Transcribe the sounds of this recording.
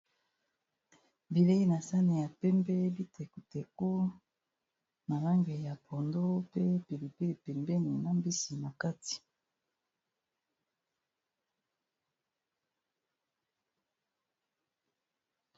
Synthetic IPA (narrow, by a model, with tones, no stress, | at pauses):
bi˨le˦i˦na˨sa˦ne˨ja˨pɛ˦mbɛ˦bi˦tɛ˨ku˨te˨ko˦ | na˨la˦ŋɡe˨ja˨pɔ˨ndo˦pe˦pi˨li˨pe˦i˨pɛ˨mbe˦ni˨na˦mbi˦si˨na˨ka˦ti̥˨